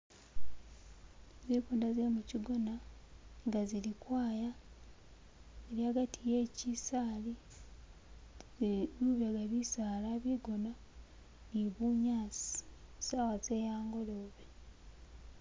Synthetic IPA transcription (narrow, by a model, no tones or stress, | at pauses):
zeːkuːndaze̞muciɡo̞naŋɡazilikwaːja | eɾiaɡatʰije̞ːcisaːli | uːβeɡaβisaːlaβiɡono | niβuɲaːsi̥saːwaze̞ːjaːŋɡo̞loːβe